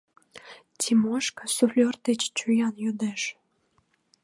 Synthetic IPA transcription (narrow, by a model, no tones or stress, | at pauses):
tʲʰimoʃkəsuflʲort̪et͡ɕt͡ɕujɑnjød̪eʃ